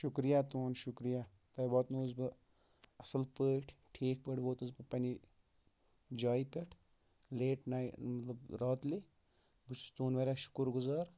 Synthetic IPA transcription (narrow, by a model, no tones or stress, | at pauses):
ʃʊkɾijaːt̪oːnʃʊkɾija | t̪ɐjbɔːt̪noːzbɨ | ɐsɐlpəːʈʰʈʰeːkpəʈboːt̪uzbɨpɐni | d͡ʒaːjipʲɐʈʰ | leːʈnamɐt̪lɐbɾaːt̪li | but͡ʃʰu̥st̪uːnʋɐːɾʲaʃʊ̥kuɾɡʊzaːɾ